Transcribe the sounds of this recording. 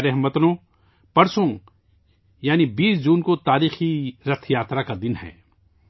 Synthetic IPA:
ɾɛɦmət̪nõ | pɐɾsõ | jaːnibiːsd͡ʒuːnkot̪aːɾiːxiɾɐt̪ʰjaːt̪ɾakad̪ɪnɦɛ̰ː

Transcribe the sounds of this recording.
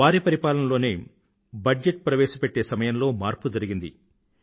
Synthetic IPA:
aːɾipɐɾipaːlɐnɐlo̞ːneː | bɐd͡ʒeʈ̚pɾɐʋɛːʃɐpeʈːe̞ːsɐmɐjɐmlo̞ːmaːɾpud͡ʒɐɾiɡind̪ḭ

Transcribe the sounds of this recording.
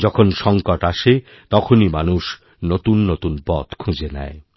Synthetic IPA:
d͡ʑɔkʰonʃɔŋkoʈaʃe | t̪ɔkʰonimanuʃ | not̪unːot̪unpɔt̪kʰũd͡ʑenɛ̰e

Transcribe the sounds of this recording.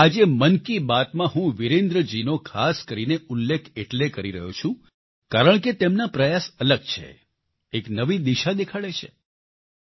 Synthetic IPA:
ad͡ʒemənkibat̪mãɦũʋiɾẽnd̪ɾəd͡ʒinokʰaskəɾineʊlːekʰeʈlekəɾiɾəɦo̰t͡ʃʰũ | kaɾəɳ̃ket̪emnapɾəjasələɡ̚t͡ʃʰḛ | eknəʋid̪iʃad̪ekʰaɭet͡ʃʰḛ

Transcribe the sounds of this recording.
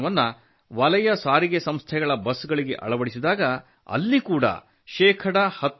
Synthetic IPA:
ʋɐnːɐ | ʋɐlɐjɐsaːɾiɡesɐmst̪ʰɛɡɐɭɐbɐsɡɐɭiɡe̞̰ʔɐ̰ɭɐʋɐɽisid̪aːɡɐ | ɐ̰lːikuːɽɐ̰ | ʃɛːkʰɐɽɐhɐt̪ː

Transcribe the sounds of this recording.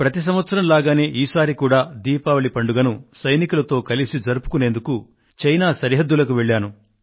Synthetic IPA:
pɾɐt̪is̬ɐmʋɐt̪sɐɾɐmlaːɡaːneːʔiːsaːɾikuːɽaːd̪iːpaʋɐɭipɐɳɖuɡɐnusɐjnikulɐt̪o̞ːkɐlisid͡ʒɐɾupu̥kuneːnd̪uku | t͡ʃɐjnaːsɐɾiɦɐd̪ːulɐkuʋeɭːaːnu

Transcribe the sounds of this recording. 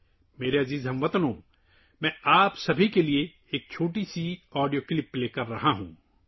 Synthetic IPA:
meːɾeɐziːzɦɐ̃mʋɐt̪nɦõː | mɛ̃ːaːpsɐbʱikelie | eːk̚t͡ʃʰoːʈisiɔːɖijoːklɪpːleːkɐɾːɐɦaɦṵ̃ː

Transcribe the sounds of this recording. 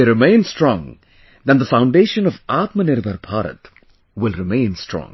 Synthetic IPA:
ɾɪmẽɪ̃nstɾɔ̃ŋ | d̪æ̃nd̪əfãʊ̃ɳɖeːʃə̃nɔvaːt̪mənɪɾbʱəɾbʰaːɾə̰t̪ | wɪlˠɾɪmẽɪ̃nstɹɔ̰̃ŋ

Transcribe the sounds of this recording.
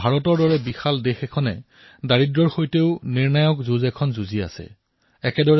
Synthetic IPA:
bʱaɹɔtɔɹdɔɹɛbixaldexɛkʰɔnɛ̰ | daɹidɹɔɹxojteʊniɹnajɔkzuzɛkʰɔnzuzia̰sɛ̰ | ɛkɛdɔɹ

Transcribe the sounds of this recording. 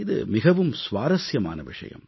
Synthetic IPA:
ɪðɯ̰mɪɣɐʋɯmsʋaːɾɐsjɐma̰ːnɐʋɪʂɐ̰jɐ̰m

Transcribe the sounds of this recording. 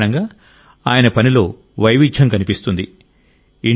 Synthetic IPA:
nɐŋɡaː | aːjɐnɐpɐnilo̞ː | ʋɐjʋid͡ʒʒʱɐmkɐnipist̪und̪i | i

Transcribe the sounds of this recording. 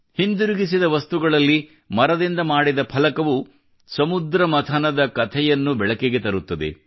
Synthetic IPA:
hind̪uɾuɡis̬id̪ɐʋɐst̪uɡɐɭɐlːi | mɐɾɐd̪ind̪ɐmaːɽid̪ɐpʰɐlɐkɐʋu | sɐmud̪ɾɐmɐt̪ʰɐnɐd̪ɐkɐt̪ʰɛjɐnːubɛɭɐkeɡe̞t̪ɐɾut̪ːɐd̪ḛ

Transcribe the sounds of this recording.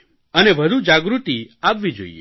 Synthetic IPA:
əneʋəd̪ʱud͡ʒaɡɾut̪iaʋːid͡ʒo̰ḭḛ

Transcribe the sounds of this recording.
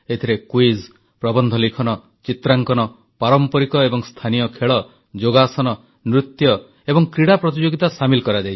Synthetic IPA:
et̪ʰiɾekwiz | pɾɔbɔnd̪ʱɔlikʰɔnɔ | t͡ʃit̪ɾaŋkɔnɔ | paɾɔmpɔɾikɔebɔŋst̪ʰanijɔkʰeɭɔ | d͡ʒoɡasɔnɔ | nɾut̪jɔ | ebɔŋkɾiɽapɾɔt̪id͡ʒoɡit̪asamilkɔɾad͡ʒajt͡ʃʰi̥

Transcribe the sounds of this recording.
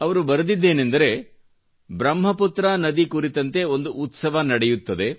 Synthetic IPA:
ɐʋɐɾubɐɾɐd̪id̪ːe̞ːnend̪ɐɾe̞ | bɾɐmɦɐput̪ɾaːnɐd̪ikuɾit̪ɐnt̪e̞o̞nd̪uʔːt̪sɐʋɐnɐɽejut̪ːɐd̪e̞

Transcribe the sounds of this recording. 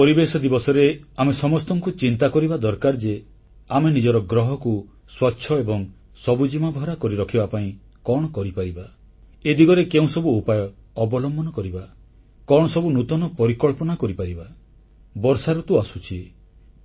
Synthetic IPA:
pɔɾibesɔd̪ibɔsɔɾeamesɔmɔst̪ɔŋkut͡ʃint̪akɔɾibad̪ɔɾkaɾd͡ʒe | amenid͡ʒɔɾɔɡɾɔɦɔku | swatːʃʰɔebɔŋ | sɔbud͡ʒimabʱɔɾakɔɾiɾɔkʰibapaĩ | kɔɽ̃ɔkɔɾipaɾiba | ed̪iɡɔɾekeũsɔbuupajɔːbɔlɔmbɔnɔkɔɾiba | kɔɽ̃ɔsɔbunut̪ɔnɔpɔɾikɔɭpɔnakɔɾipaɾiba | bɔɾsaɾut̪uasut͡ʃʰi

